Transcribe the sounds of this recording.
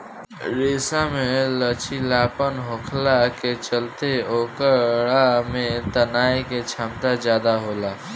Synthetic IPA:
ɾeːsamẽlət͡ʃʰilaːpənɦõkʰlaket͡ʃəlt̪eoːkəɽamẽt̪ənaːiket͡ʃʰaːmt̪azjaːd̪aɦoːlaː

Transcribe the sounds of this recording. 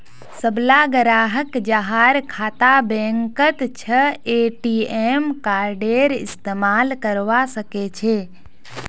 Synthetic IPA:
səblaɡəɾaːɦəkd͡ʒaɦaɾkʰaːt̪abɛ̃ːŋkət̪t͡ʃʰəeːʈiemkaːɾɖeːɾɪ̰st̪eːmaːlkəɾʋasəket͡ʃʰeː

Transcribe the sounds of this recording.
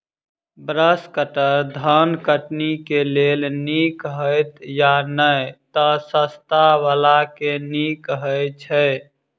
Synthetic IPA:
bɾəskəʈəɾd̪ʱənkəʈnikelelnikɦəjt̪janəjt̪əsəst̪aʋalakenikɦəjt͡ʃʰə

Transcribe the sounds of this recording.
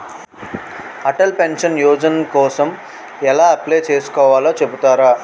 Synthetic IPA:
hɐʈɐlpenʂɐnjoːd͡ʒɐnɐkɔːsɐm | ɛlaːɐpleːt͡ʃeːsu̥kɔːʋaːloːt͡ʃebut̪aːɾaː

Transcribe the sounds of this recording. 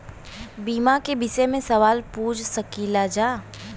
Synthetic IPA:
biːmakebɪsemẽsɐʋaːlpuːd͡ʒsɐkilad͡ʒaː

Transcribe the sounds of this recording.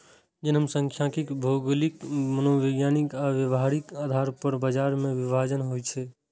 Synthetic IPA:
d͡ʒenəmsəŋkʰjãkikbʱoɡəlikmənoʋeɡjanikaʋjəʋɦaɾikaːd̪ʱaɾpəɾbad͡ʒaɾmẽʋibʱad͡ʒənɦojt͡ʃʰɛ

